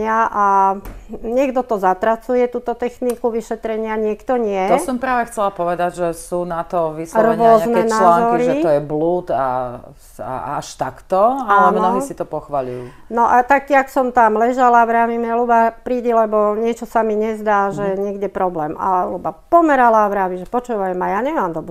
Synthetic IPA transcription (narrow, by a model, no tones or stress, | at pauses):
ɪaʔa | ɲɪɛɡd̪ɔt̪ɔzat̪ɾat͡sujɛt̪uːt̪ɔt̪ɛxnikuʋiʃɛt̪ɾɛɲɪaɲɪɛkt̪ɔɲɪɛɔsɔmpɾaːʋɛxt͡sɛlapɔʋɛd̪aɟʒɛsuːnat̪ɔʋislɔrʋʊɛɔzanɛɛnalːaːŋzɔkiɾiʒɛt̪ɔjɛbluːt̪a̰ | a̰aʃt̪akt̪ɔaalɛnɔmisit̪ɔpɔxʋaʎuju | nɔʔat̪ak̚tiaksɔmt̪amlɛʒalaʋɾaːʋimɛlubapɾiːɟɛlɛbɔɲɪɛt͡ʃɔsamiɲɛzd̪aːʒɛɲɪɛɡɟɛpɾɔblɛːma̰lubapɔmɛɾalaʋɾaːʋiʒɛpɔt͡ʃuːʋajmajaːɲɛmaːmd̪ɔbɾɛ